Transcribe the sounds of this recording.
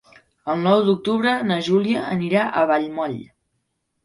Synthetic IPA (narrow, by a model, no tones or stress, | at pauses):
əlˠnɔwd̪uk̚t̪uβɾənəʒuliəːniɾaʔəβaʎmɔʎ